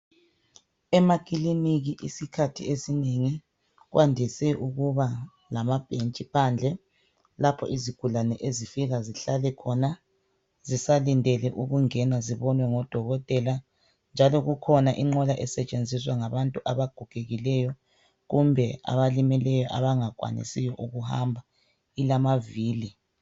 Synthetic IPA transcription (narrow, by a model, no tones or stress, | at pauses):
ɛmakʼiliniɣiʔḭsikʰatʰḭesineŋi | ɣwʔandʱisɛʔuɣuβa | lamab̥ʱʼent͡ʃʼipʰand͡ɮʱɛ | lapʰɔ̰ʔiziɡ̥ʱulanɛʔezifiɣaziɬalɛkʰɔna | zisalindʱɛlɛʔuɣuŋɛnaziβɔnwɛŋɔd̥ʱɔɣɔtʼɛla | nd͡ʒʱalɔɣukʰɔnaʔiŋ͡ǃɔlaʔɛsɛt͡ʃʼend͡zʱiswaŋaβantʼuʔaβaɡ̥ʱuɡ̥ʱeɣilɛjɔ | ɣumbʱɛa̰βalimɛlɛjɔʔaβaŋakʼwa̰nḭsijɔʔuɣuha̰mbʱa | ilamaviːli